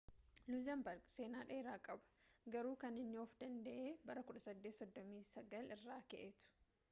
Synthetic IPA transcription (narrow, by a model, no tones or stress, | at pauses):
luzɐmbɐɾɡse̞ːnaːᶑeːɾaːkʼɐbɐ̥ɡɐɾuːkɐnɪnːɪɔfd̪ɐnd̪ɐʔeːbɐɾɐkʊᶑɐsɐd̪ːeːt̪sɔd̪ːɔmiːsɐɡɐlɪrːaːkɛ̰ʔet̪ʊ̥